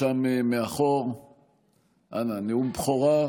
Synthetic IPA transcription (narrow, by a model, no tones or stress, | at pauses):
amemeaχoʁ | a̰naniumpχoɣa